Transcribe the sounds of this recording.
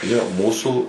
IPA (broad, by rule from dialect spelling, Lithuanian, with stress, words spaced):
joː ˈmuːsuː